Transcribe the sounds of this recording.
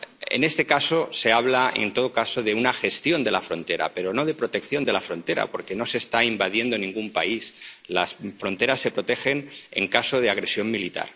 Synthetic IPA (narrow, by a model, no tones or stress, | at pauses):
ḛne̞st̪e̞kaso̞se̞aβlae̞̰nt̪o̞ð̞okaso̞ðe̞unaxe̞st̪jo̞nd̪e̞lafɾo̞nt̪e̞ɾa̰pe̞ɾo̞no̞ð̞e̞pɾo̞t̪e̞kθjo̞nd̪e̞lafɾo̞nt̪eɾa̰po̞ɾke̞no̞se̞ːst̪aimbað̞je̞nd̪o̞nĩŋɡumpa̰islasfɾo̞nt̪e̞ɾasːe̞pɾo̞t̪e̞xe̞ne̞̰ŋkaso̞ð̞eaɣ̞ɾe̞sjo̞mmilit̪a̰ɾ